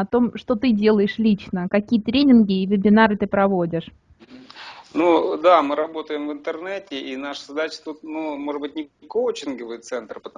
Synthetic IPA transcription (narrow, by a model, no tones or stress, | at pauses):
ɐt̪o̞mʂt̪o̞t̪ɨdʲe̞lˠəjɪʂlʲit͡ɕnəkɐkʲijət̪ɾʲenʲɪnɡʲɪːvʲɪbʲɪnaɾɨt̪ɨpɾɐvo̞dʲɪʂ | nud̪amɨɾɐbo̞t̪əjɪmvɨnt̪ɨrnɛtʲɪʔinaʂə̥zɐd̪at͡ɕɪ̥t̪ut̪̚numo̞ʐɨd̪bɨtʲnʲɪɪkowt͡ɕɪnɡəvɨjɪt̪sɛnt̪rpət̪ɐ